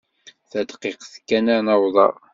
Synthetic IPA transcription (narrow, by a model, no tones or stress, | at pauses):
θæd̪qiqθkːænənəwðˤɑ̰ɾˤ